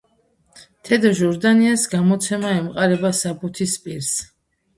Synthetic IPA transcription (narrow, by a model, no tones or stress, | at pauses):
t̪ʰɛd̪ɔʒɔɾd̪aniasɡamɔt̪sʰɛmaɛmqʼaɾɛbasabut̪ʰispʼiɾs